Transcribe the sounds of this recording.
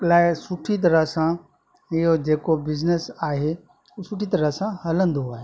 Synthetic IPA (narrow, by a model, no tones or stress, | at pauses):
klaːɪsʊʈʰit̪̬ɐɾəɦsã | ɪɦod͡ʑeːkobɪznesaːɦe | uːsʊʈʰit̪ɐɾəɦsãhɐlə̃nd̪oaːɦe